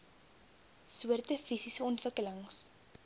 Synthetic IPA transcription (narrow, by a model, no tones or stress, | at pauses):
suərtəfisisəɔntvəkələŋs